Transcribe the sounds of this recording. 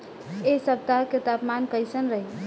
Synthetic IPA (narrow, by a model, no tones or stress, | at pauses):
esəb̚t̪aket̪apmankəjsənɾəɦi